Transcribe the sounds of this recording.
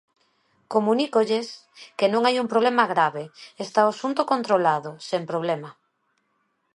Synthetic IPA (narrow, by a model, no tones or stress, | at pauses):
komunikoʎes | kenõŋajumpɾoβlemaɣɾaβeest̪aosunt̪okont̪ɾolaðʊsempɾoβ̞lɛma